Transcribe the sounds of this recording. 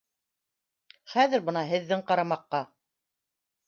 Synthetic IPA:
χæðɘ̆ɾbɤ̆nɑɦɘ̆ðːɘŋqɑɾɑmɑqːɑ

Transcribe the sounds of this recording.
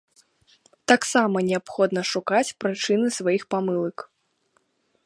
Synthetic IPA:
t̪aksamɐnʲɛapxɔd̪nɐʂukat͡sʲpɾɨt͡ʂɨnɨsvajixpamɨlˠɐk

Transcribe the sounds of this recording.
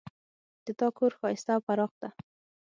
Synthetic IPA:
d̪̥ət̪ɑkʰoɾxɑɪst̪awfaɾɑqd̪a

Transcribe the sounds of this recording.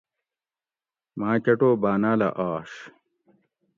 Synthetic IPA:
maːt͡ɕɐʈoːbaːnaːlɐ̰ʔaːʂ

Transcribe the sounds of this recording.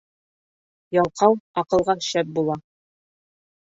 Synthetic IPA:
jɑlˠqɑwɒqɤ̆lˠʁɑʃæp̚bulˠɑ

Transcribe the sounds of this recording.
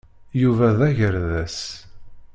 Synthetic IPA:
juvæðæʝəɾðæs

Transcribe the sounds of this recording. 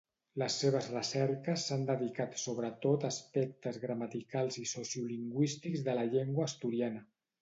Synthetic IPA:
ləsːeβ̞əzrəsɛɾkəsːand̪əðikat̪soβɾət̪ot̪əspɛk̚t̪əzɣɾəmat̪ikalˠzisosiuliŋɡwist̪ikzðələʎeŋɡwəːst̪uɾianə

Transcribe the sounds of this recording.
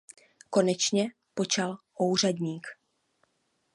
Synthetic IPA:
ko̞nɛt͡ʃɲɛ | po̞t͡ʃalʔowr̝adɲiːk

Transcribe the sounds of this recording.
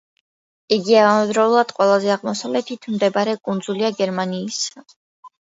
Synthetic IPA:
iɡiaamɛd̪ɾɛulˠad̪̥qʼwɛlˠazɛaʁmɔsavlɛt̪ʰit̪ʰmd̪ɛbaɾɛkʼund̪zuliaɡɛɾmaniːsa

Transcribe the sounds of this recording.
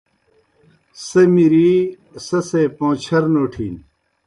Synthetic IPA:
sɐmiɾi | sɐsepõːt͡ɕʰɐɾnoːʈʰiːn

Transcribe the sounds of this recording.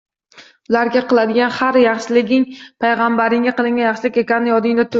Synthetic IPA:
ʊlaɾɡʲaqɨlˠad̪ɪɡʲanhaɾjɑχʃɪlɪɡʲɪŋpʰajʁambaɾɪŋʲaqɨlˠɪŋɡʲajɑχʃɪlɪkʲe̞kʲanːɪjɒd̪ɪŋd̪at̪ʰʊ

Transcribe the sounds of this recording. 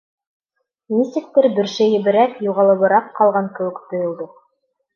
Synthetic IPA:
mʲisʲt̪ʲɘ̆k̚t̪ɘɾbɘ̆ɾʃɘjɘ̆bɘ̆ɾækjuʁɑlˠɤ̆βɤ̆ɾɑq̚qɑlˠʁɑŋkɘ̆wɘkt̪ŏjŏlˠd̪ɤ

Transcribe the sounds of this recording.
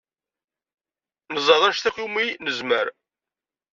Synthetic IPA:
nəzˤɑðˤæʃθæχuminəzməɾ

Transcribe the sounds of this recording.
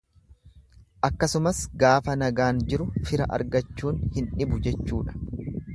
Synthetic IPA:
ʔɐkːɐsʊmɐsɡaːfɐnɐɡaːnd͡ʒɪɾʊfɪɾɐ̰ʔɐ̰ɾɡɐt͡ʃːuːnhɪnᶑɪbʊd͡ʒɛt͡ʃːuːᶑɐ̥

